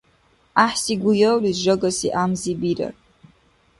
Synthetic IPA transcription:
aħsiɡʷujɐwlizʒɐɡɐsḭʔaːmzibiɾɐ̰r

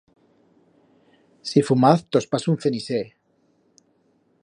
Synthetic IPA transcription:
sifumaθt̪ospasunθenise

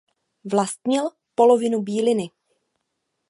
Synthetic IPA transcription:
vlast̪̚ɲɪl | po̞lo̞vɪnubiːlɪnɪ

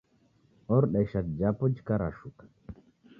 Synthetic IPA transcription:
ɔɾɗajʃat̪̚d͡ʒapɔd͡ʒkaɾaʃukḁ

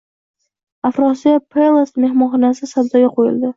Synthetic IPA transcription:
afɾɒsijapʰelˠasmehmɒnχɒnasɪsabzɒjʲaqʰojɪ̰ld̪ɪ

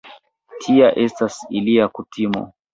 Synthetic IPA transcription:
tʰiaʔɛstasiliakutimɔ̰

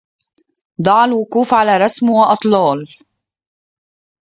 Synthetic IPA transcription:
d̪ˤɑʕɑlwʊkuːfʕalaːɾˤɑsmwɑʔɑt̪ˤlɑːl

